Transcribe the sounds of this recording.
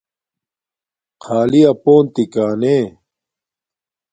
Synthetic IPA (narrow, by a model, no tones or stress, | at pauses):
qʰaːliɐpoːnt̪ikaːneː